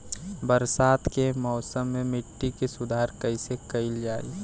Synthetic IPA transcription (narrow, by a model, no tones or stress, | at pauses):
bəɾsaːt̪kemɔːsəmːemɪʈːikesʊd̪ʱaːɾkəɪsekəɪld͡ʒaːḭ